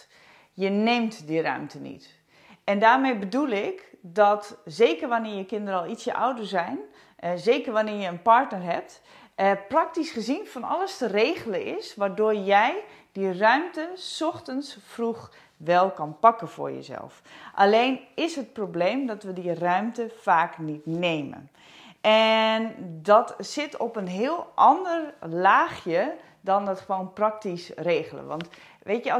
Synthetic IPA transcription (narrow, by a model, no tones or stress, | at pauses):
jəneːmtdirœ̰ɥmtʰənḭt | ɛndaːrmejbədulˠɪkdɔtzeːkərʋanɪːjəkɪndəɾəɔlˠisjəʔa̰wdəɹzɛjn | zeːkərʋanɪːɹjəənpaɹtnərɦɛp̚t | əprak̚tisχəzinfɔnɔ̰lˠəstəreːɣələɪ̰sʋaːrdoːrjɛj | d̥irœɥmtəsɔxtənsfrux | ʋɛlˠkɔnpɑkəfʊ̰rjə̰zɛ̰lˠfʔaleːnɪsɦət̚probleːmdɔtʋədirœɥmtəfaːknitneːmə̰n | ʔɛndɔtsɪtʰɔpənɦɪəlˠʔɑndərlaːxjə | dɔndɔtχəʋoːnprak̚tisreːɣələ̰ʋɔ̰nt | ʋeːtjə